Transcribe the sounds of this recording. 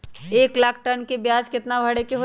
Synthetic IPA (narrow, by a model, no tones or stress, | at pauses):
eːklaːkʰʈɐnkebjaːd͡ʒkɪt̪nabʱɐɽekeɦo